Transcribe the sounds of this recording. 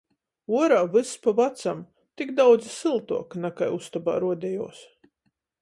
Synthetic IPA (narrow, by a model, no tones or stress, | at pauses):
uɔɾaːvɨspavat̪sam | t̪ikd̪awd̪zisɨlˠt̪uɔknakajust̪aba̰ːɾuɔd̪ʲɛjuɔs